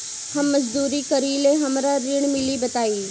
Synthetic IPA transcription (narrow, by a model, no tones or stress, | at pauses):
hɐmːɐzd̪uːɾikɐɾileɦɐmɾaɾɪɽ̃mɪlibɐt̪aːiː